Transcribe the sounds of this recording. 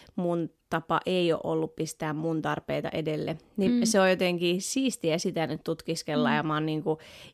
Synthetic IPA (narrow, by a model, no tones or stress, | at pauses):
munt̪ɑpɑ̰ʔeio̰ːʔo̰lːuppist̪æːmmunt̪ɑrpḛit̪ɑ̰ʔedelːḛ | niseojjot̪eŋkiːsiːst̪iæsit̪ænyt̪t̪ut̪kiskelːɑ̰jɑmɑːnniːŋku